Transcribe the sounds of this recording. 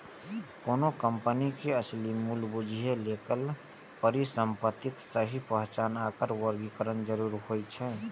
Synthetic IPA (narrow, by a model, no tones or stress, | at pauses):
koːnokəmpənikeəslimulbud͡ʒʱiɦelekəl | pəɾisəmpət̪iksəɦipəɦt͡ʃaːnakəɾwəɾɡikəɾənd͡ʒəɾuɾhojt͡ʃʰɛ